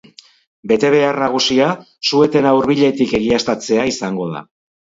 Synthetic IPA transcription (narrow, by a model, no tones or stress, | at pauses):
be̞t̪e̞β̞e̞arnaɣ̞usia | sue̞t̪e̞nawɾβiʎe̞t̪ike̞ɣ̞iast̪at͡se̞aisaŋɡo̞ð̞a̰